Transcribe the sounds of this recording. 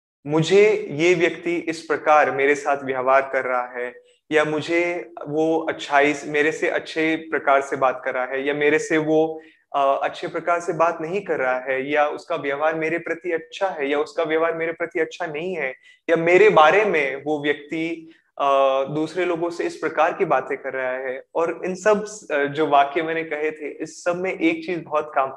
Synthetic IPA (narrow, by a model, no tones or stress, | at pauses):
mʊd͡ʒʱejeːʋjɐkt̪iɪspɾɐkaːɾmeːɾesaːt̪ʰʋjɐʋaːɾkɐɾːɐɦaɦɛː | jamʊd͡ʒʱeʋoɐtːʃʰaːismeːɾeseʔɐ̰tːʃʰepɾɐkaːɾsebaːt̪kɐɾːɐɦaɦɛjameːɾeseʋo | ɐtːʃʰepɾɐkaːɾsebaːt̪nɐɦĩkɐɾːɐɦaɦɛːjaʊskaʋjɐɦaːɾmeːɾepɾɐt̪iɐtːʃʰaɦɛjaʊskaʋjɐʋaːɾmeːɾepɾɐt̪iɐtːʃʰanɐɦĩɦɛː | jameːɾebaːɾemẽʋoʋjɐk̚t̪i | d̪uːsɾeloːɡõseɪspɾɐkaːɾkibaːt̪ẽkɐɾːɐɦaɦɛːɔːɾɪnsɐbd͡ʒoːʋaːkemɛ̃ːnekɐɦet̪ʰeʔɪsːɐbʱmẽʔeːk̚t͡ʃiːzbɐɦɔt̪kaːm